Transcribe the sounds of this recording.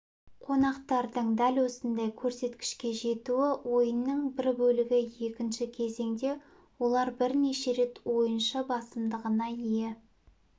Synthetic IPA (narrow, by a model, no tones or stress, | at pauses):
qʰo̞nɑqt̪ɑɾd̪əɴd̪ælwo̞sənd̪ɑjkʲʰɵɾse̞t̪kʲɪ̥ʃkʲe̞ʒe̞t̪uɪwo̞jənːəɴbɪɾbɵlɪɡʲɪje̞kʲɪnʃɪkʲʰe̞ze̞ŋd̪e̞ | wo̞lˠɑɾbɪɾneʃe̞ɾe̞t̪wo̞jənʃɑbɑsəmd̪əʁənɑije